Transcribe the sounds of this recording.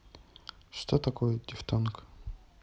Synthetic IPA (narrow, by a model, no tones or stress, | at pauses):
ʂt̪ot̪akojɛdʲɪft̪onk